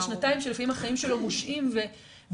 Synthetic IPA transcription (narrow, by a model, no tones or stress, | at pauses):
ʃnataimʃelefaimhaχaimʃelo̞moʃʔimve | v